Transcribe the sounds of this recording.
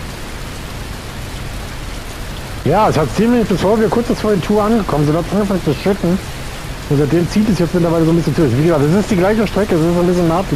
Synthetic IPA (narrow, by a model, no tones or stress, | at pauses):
jaːɛshatt͡siːmɪnɪçb̥ɪsfoːɐviːɐkʰʊɐt͡sb̥ɪsfoːɐdetʰuːɐʔanɡəkʰɔmənzonhatsʔanɡəfaŋət͡suʃɪtn̩ | ʊntz̥aɪd̥eːmt͡siːtɛsjɛt͡smɪt̬lɐvaɪləzoːnbɪsçənt͡sʊɪçviːɡəzaːktɛs̬ɪstd̥iːɡlaɪçəʃtʁ̥ɛkəɛs̬ɪstzoːnbɪs̬çənːaːtl